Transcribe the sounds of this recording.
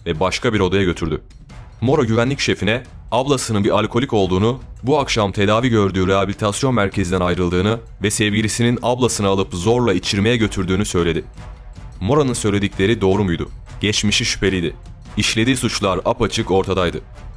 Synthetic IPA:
vɛbaʃkʰabiɾo̞d̪ajaɟø̞t̪ʰyɾd̪y | mo̞ɾoɟyvænlʲicʃe̞finɛablˠasɯnɯnbiɾalʲkʰo̞lʲicko̞lˠd̪uːnubuakʃamt̪ʰe̞d̪aːviɟø̞ɾd̪yːɾeabilʲit̪ʰasjo̞nmæɾcʰe̞zid̪ænajɾɯlˠd̪ɯːnɯ | vɛsɛvɟilʲisininablˠasɯnalˠɯpzo̞ɾlˠait͡ʃʰiɾme̞jɛɟø̞t̪ʰyɾd̪yːnysø̞jlʲe̞d̪ɪ | mo̞ɾonɯnsø̞jlʲe̞d̪iclʲe̞ɾid̪o̞ːɾumujd̪ʊ̰ | ɟ̥ɛt͡ʃmiʃiʃy̥pe̞lʲijd̪ɪ | iʃlʲe̞d̪iːsut͡ʃlˠaɾapat͡ʃʰɯko̞ɾt̪ʰad̪ajd̪ɯ

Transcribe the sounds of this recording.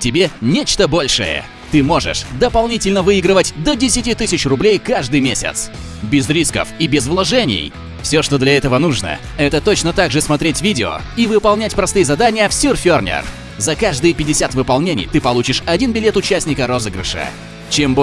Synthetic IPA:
tʲɪbʲenʲet͡ɕt̪əbo̞lʲʂɨ̰jə̰ | t̪ɨmo̞ʐɨ̰ʂd̪əpɐlˠnʲitʲɪlʲnəvɨiɡɾɨvətʲd̪ədʲɪsʲɪtʲit̪ɨsʲɪt͡ɕrʊblʲejkaʐd̪ɨjmʲesʲɪ̰t̪s | bʲɪzɾʲiskə̰fibʲɪzvlˠɐʐɛnʲɪ̰j | fsʲoʂt̪o̞d̪lʲɐɛt̪əvənuʐnə̰ | ɛt̪ət̪o̞t͡ɕnət̪aɡʐɨsmɐt̪ɾʲetʲvʲidʲɪo̰ | ivɨpɐlˠnʲætʲpɾɐst̪ɨjəzɐd̪anʲɪjəfsʲyrfʲornʲɪ̰r | zɐkaʐd̪ɨjəpʲɪdʲɪsʲat̪vɨpɐlˠnʲenʲɪ̰jt̪ɨpɐlˠut͡ɕɪʂɐdʲinbʲɪlʲe̞t̪ʊt͡ɕæsʲnʲɪkəɾo̞zɨɡɾɪ̰ʂɨ̰ | t͡ɕembo

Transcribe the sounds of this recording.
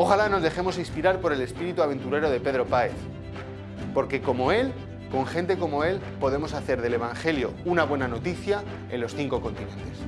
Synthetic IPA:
o̞xalano̞zðe̞xe̞mo̞sĩnspiɾaɾpo̞ɾe̞le̞spiɾit̪uaβ̞e̞nt̪uɾe̞ɾo̞ð̞e̞pe̞ð̞ɾo̞pae̞θ | po̞ɾke̞ko̞mo̞e̞l | ko̞ŋxe̞nt̪e̞ko̞mo̞e̞l | po̞ðe̞mo̞saθe̞ɾð̞e̞le̞β̞aŋxe̞ljo̞̰unaβwe̞nano̞t̪iθja | ẽ̞̰lo̞sθiŋko̞ko̞nt̪inẽ̞nt̪e̞̥s

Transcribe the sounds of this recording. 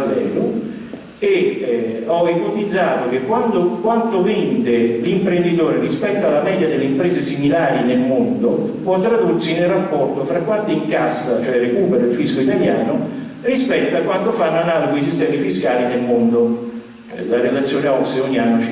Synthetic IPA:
lːɛ̰ːlʊ | e | ɔipot̪id̪zːaːt̪ok̟ekːwand̪okwant̪ovind̪elimpɾend̪it̪oːɾerispɛt̪ːoalːamɛd̪jad̪elːeimpɾeːzesimilaːɾinelmond̪opwɔt̪ːɾad̪ursinelrapːɔrt̪ofɾakːwant̪iiŋkasːat͡ʃoɛɾekuːpeɾoelfiskoit̪aljaːno | rispɛt̪ːoakwant̪ofanːanaːloɡois̬ist̪ɛːmifiskaːlinelmond̪o | laɾelat̪sːjoːneɔkseɔɲːianːot͡ʃ

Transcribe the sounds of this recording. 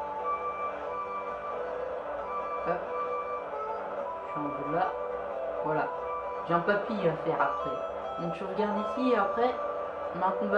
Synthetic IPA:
pap | ʃiɑ̃d̪əla | vwala | ʒeɑ̃papiafɛʁapχɛ | mɔ̃ʃyʁəɡaʁd̪isieapχɛ | mãk̪b

